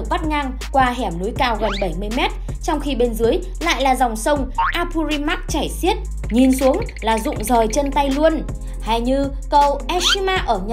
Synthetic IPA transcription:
k̚ɓa˦˥t̚ŋa˧ŋ | kwaː˧ɦɛ˧˩mnu˨˦jkaː˧wɣə˨˩nɓə˧˩jmɨ˧əjmɛ˦˥t̚ | t͡ɕɔ˧wŋ͡mxi˧ɓe˧nzɨ˨˦əj | la̰ː˧˨jlaː˨˩za˨˩wŋ͡msə˧wŋ͡mʔaː˧pʰu˧zi˧ma˦˥k̚t͡ɕaː˧˩jsi˦˥ət̚ | ɲi˨˩nsu˨˦əŋ | laː˨˩zʊ̰˧˨ŋ͡mzəː˨˩jt͡ɕə˧nt̪a˧jlu˧ən | ha˧˩jɲɨ˧ | kə˧wʔɛ˦˥si˦˥maː˧ʔəː˧˩ɲ˨

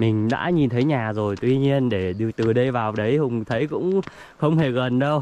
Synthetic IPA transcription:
mï˨˩ŋ̟ɗa̰ː˧˥ɲi˨˩nt̪ʰə˨˦jɲaː˨˩zo˨˩jt̪wi˧ɲi˧ənɗe˧˩ɗɨ˧˨˧k̚t̪ɨ˨˩ɗə˧jvaː˨˩wɗə˨˦jhʊ˨˧˩wŋ͡mt̪ʰə˨˦jkʊ̰˧˥ŋ͡m | xə˧wŋ͡mhe˧˩ɣə˨˩nɗə˧w

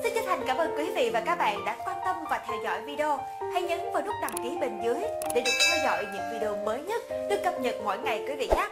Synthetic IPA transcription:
sɨ˧˨˦t͡ɕə˧nt̪ʰa˨˩jŋ̟kaː˧˩mʔəː˧nkwi˨˦vḭ˧˨vaː˨˩kaː˦˥k̚ɓa̰ː˧˨nɗa̰ː˧˥kwaː˧nt̪ə˧mvaː˨˩t̪ʰɛ˧wzɔ̰˧˩˨jvi˧ɗe˧o˧ | ha˧jɲə˨˦nvaː˨˩lʊ˦˥k͡p̚ɗa˨˩ŋ͡mki˨˦ɓe˨˩nzɨ˨˦jɗe˧˩ɗɨ˨˩ək̚t̪ʰɛ˧wzɔ̰˧˨jɲɨ̰˧˥ŋvi˧ɗo˧məː˨˦jɲə˦˥t̚ɗɨ˧əkə˨˧˩p̚ɲə̰˧˨nmo̰˧˩jŋa˨˩jkwi˨˦vḭ˧˨xaː˦˥k̚

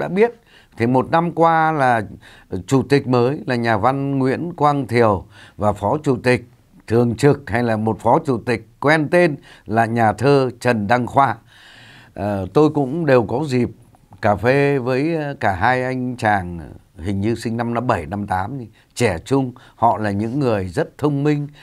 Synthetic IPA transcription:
ɗa̰ː˧˥ɓi˦˥ət̚ | t̪ʰi˨˩mo˨˩t̚na˧mkwaː˧laː˨˩ | t͡ɕu˧˩t̪ï˨˩k̟̚məː˨˦jlaː˨˩ɲaː˨˩va˧nŋwḭ˧˥ənkwaː˧ŋt̪ʰi˨˩əwvaː˨˩fɔ˨˦t͡ɕu˧˩t̪ï˨˩k̟̚ | t̪ʰɨ˨˩əŋt͡ɕɨ˨˩k̚ha˧jlaː˨˩mo˨˩t̚fɔ˨˦t͡ɕu˧˩t̪ï˨˩k̟̚kwɛ˧nt̪e˧n | laː˨˩ɲaː˨˩t̪ʰəː˧t͡ɕə˨˩nɗa˧ŋxwaː˧ | ə˨˩t̪o˧jkʊ̰˧˥ŋ͡mɗe˨˩wkɔ˨˦zi˨˩p̚ | kaː˨˩fe˧vəː˨˦jkaː˧˩ɦaː˧jʔa˧jŋ̟t͡ɕaː˨˩ŋhï˨˩ŋ̟ɲɨ˧sï˧ŋ̟na˧mnɔ˨˦ɓə˧˩jna˧mt̪aː˨˦mi˧ | t͡ɕɛ˧˩t͡ɕʊ˧ŋ͡m | hɔ̰˧˨laː˨˩ɲɨ̰˧˥ŋːɨ˨˩əjzə˦˥t̚t̪ʰə˧wŋ͡mmï˧ŋ̟

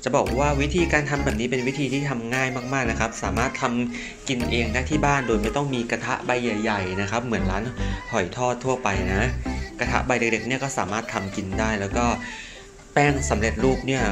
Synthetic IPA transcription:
t͡ɕa˨˩bɔː˨˩k̚waː˥˩wi˦˥t̪ʰiː˧kaː˧nt̪ʰa˧mbɛː˨˩p̚niː˦˥pe˧nwi˦˥t̪ʰiː˧t̪ʰiː˥˩t̪ʰa˧mŋaː˥˩jmaː˥˩k̚maː˥˩k̚na˦˥kʰa˦˥p̚saː˩˦maː˥˩t̪ʰːa˧m | ki˧nʔeː˧ŋnaː˥˩t̪ʰiː˥˩baː˥˩ndoː˧jma˥˩jt̪ɔ˥˩ŋmiː˧ka˧t̪ʰa̰˦˥ʔba˧jːa˨˩jːa˨˩jna˦˥kʰa˦˥p̚mɯ˩˦ənlaː˦˥nhɔ˨˩jt̪ʰɔː˥˩t̪ʰːu˥˩ɐpa˧jna˦˥ka˧t̪ʰa̰˦˥ʔba˧jde˨˩k̚de˨˩k̚ni˥˩ɐkɔː˥˩saː˩˦maː˥˩t̪ʰːa˧mki˧ndaː˥˩jlɛː˦˥wkɔː˥˩ | pɛː˥˩ŋsa˩˦mɾe˨˩t̪̚ɾuː˥˩p̚ni˥˩ɐ

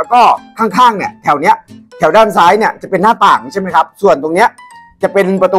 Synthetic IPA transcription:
wkɔː˥˩kʰaː˥˩ŋkʰaː˥˩ŋni˥˩t̪ʰɛː˩˦wni˦˥ɐt̪ʰɛː˩˦wdaː˥˩nsaː˦˥jni˥˩ət͡ɕa˨˩pe˧nːaː˥˩p̪aː˨˩k̚t͡ɕʰma˦jkʰa˦˥p̚su˨˩ənt̪o˧ŋni˦˥ɐ | t͡ɕa˨˩pe˧npɾa˧t̪u˧

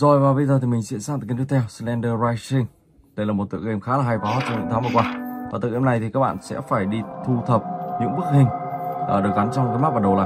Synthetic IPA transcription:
zɔ˨˩jvaː˨˩vi˧zəː˧˩t̪ʰi˨˩mï˨˩ŋ̟sḭ˧˥ənsaː˧˥t̪ːt̪̚ːt̪ʰɛ˧wslɛ˧nɗəː˧vaː˧jsï˧ŋ | ɗə˧jlaː˨˩mo˨˩t̪̚ɨ̰˧˨əkʔe˧˩mxaː˨˦laː˨˩ɦa˧jfɔ˨˦t͡ɕɔ˧ŋ͡mɲɨ̰˧˥ŋt̪ʰaː˨˦ŋvə˨˩kwaː˧vaː˨˩t̪ɨ̰˧˨ʔna˨˩jt̪i˨˩kaː˦˥k̚ɓa̰ː˧˨nsɛ̰˧˥faː˧˩jɗi˧t̪ʰu˧t̪ʰə˨˩p̚ɲɨ̰˧˥ŋɓɨ˦˥ək̚hï˨˩ŋʔɗɨ˨˩ək̚ɣa˨˦nt͡ɕɔ˧ŋ͡mkːjma˦˥t̚vaː˨˩ɗə˨˩wla̰ː˨˩

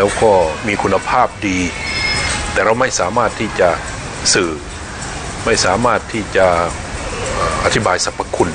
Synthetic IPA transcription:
lɛː˦˥wkɔː˧˩miː˧kʰu˧nːa˧pʰaː˥˩p̚diː˧ | t̪ɛː˨˩ɾa˧wma˥˩jsaː˨˦maː˥˩t̪ʰːiː˧˥˩t͡ɕa˨˩ | sɯː˧˩ | ma˥˩jsaː˨˩˦maː˥˩t̪ʰːiː˧˥˩t͡ɕa˧ʔ | ʔaː˨˧˩ʔa̰˧t̪ʰi˦˥baː˧jsa˨˧˦pʰːa˧kʰu˧˥n

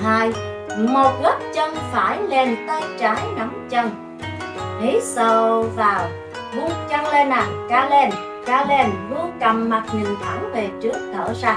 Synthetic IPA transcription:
haː˧j | mo˨˩t̚ɣə˦˥p̚t͡ɕə˧nfaː˧˩jle˧nt̪a˧jt͡ɕaː˨˦jna˨˦ŋ͡mt͡ɕə˧ŋ | ʔi˨˦sə˧˩vaː˨˩w | vu˧t͡ɕa˧ŋle˧nʔa˨˩ŋkaː˧le˧n | kaː˧˩le˧nvu˧ka˨˩mːa˨˩t̚ɲi˨˩ŋt̪ʰa˧˩wve˨˩t͡ɕɨ˦˥ək̚t̪ʰə̰ː˧˩zaː˧˩

